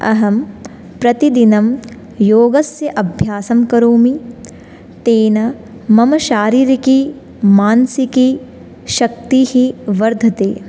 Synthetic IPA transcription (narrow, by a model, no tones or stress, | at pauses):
ɐ̰ɦɐm | pɾɐt̪id̪inɐm | joːɡɐsjɐʔɐbʱjaːsɐmkɐɾoːmi | t̪eːnɐ | mɐmɐʃaːɾiːɾiki | maːnsiki | ʃɐkt̪iːhiʋɐɾd̪ʱɐt̪ḛː